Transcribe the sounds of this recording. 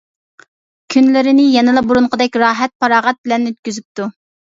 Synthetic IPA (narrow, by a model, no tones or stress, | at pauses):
kʲʰynlɪɾɪnɪjɛnɪlˠɑbuɾuɴqʰəd̪ɛkʲɾɑːɦɛt̪̚pɑɾɑːʁɛt̪̚bɪlɛnːøt̪̚kʲyzyp̚t̪u